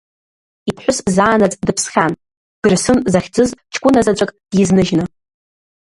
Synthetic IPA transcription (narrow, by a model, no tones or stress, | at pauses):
ipʰħʷʊszaːnat͡sʼdɨpʰsχʲan | ɡ̥ɨrsɨnzaχʲd͡zɨzt͡ʃʰkʷʼʊnazat͡ɕʷʼakʼd̥jiznɨʒnɨ